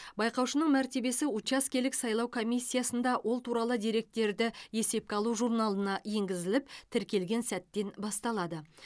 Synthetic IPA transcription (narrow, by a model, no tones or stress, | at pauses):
bɑjqɑwʃənəɴmæɾt̪e̞be̞sɪut͡ʃaskʲe̞lɪksɑjlˠɑwkʰo̞mijsʲːijasənd̪ɑwʔo̞lˠt̪ʰuɾɑlˠəd̪ijɾe̞k̚t̪ːe̞ɾd̪ɪe̞se̞p̚kʲeɑlˠuʒuɾnɑlˠənɑje̞ŋɡʲɪzɪlɪpt̪ʰɪɾkʲe̞lɡʲe̞nsæt̪ːe̞nbɑst̪ɑlˠɑd̪ə